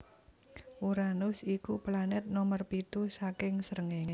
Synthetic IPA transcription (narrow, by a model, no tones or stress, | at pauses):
ʔuɾanʊsikuplanɛt̪̚nɔmərpit̪usakɪŋsəɾəŋeŋe